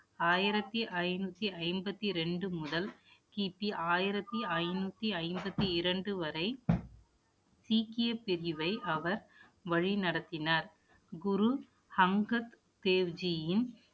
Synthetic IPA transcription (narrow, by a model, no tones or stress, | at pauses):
aːjɪɾɐt̪ːiʔɐɪnuːt̪ːiɐɪmbɐt̪ːiɾɛɳɖɯmʊðɐlkiːpːiʔaːjɪɾɐt̪ːiɐɪnuːt̪ːiɐɪmbɐt̪ːiɪɾɐɳɖɯʋɐɾɐɪ | siːkɪjɐpːɪɾɪʋɐɪʔɐʋɐɾ | ʋɐɻinɐɽɐt̪ːɪnaːɾ | ɡʊɾu | hɐŋɡɐt̪ | t̪eːʋd͡ʒɪjɪn